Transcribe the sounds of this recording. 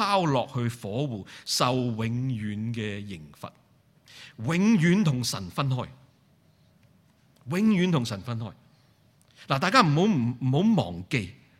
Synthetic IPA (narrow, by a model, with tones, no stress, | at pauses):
aː˥wlɔː˨k̚hɵ˧ɥfɔː˨˥wuː˨sɐ˨˧wwɪ˨˧˥ŋjyː˨˥nkɛː˧jɪ˨˩ŋfɐ̰˨t̚ | wɪ˨˥ŋjyː˨˥nt̪ʰʊ˨˩ŋsɐ̰˨˩nfɐ˥nɦɔː˥j | wɪ˨˥ŋjyː˨˥nt̪ʰʊ˨˩ŋsɐ˨˩nfɐ˥nɦɔ̰ː˥˩j | laː˨˩t̪aː˨jkaː˥m̩˨˩ho˨˥wm̩˨˩˨ho˨˥wmɔ̰ː˨˩ŋke˧j